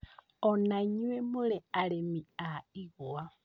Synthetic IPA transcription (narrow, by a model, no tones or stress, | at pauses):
ɔnaɲwɛmuɺɛaɺɛmiaiɣua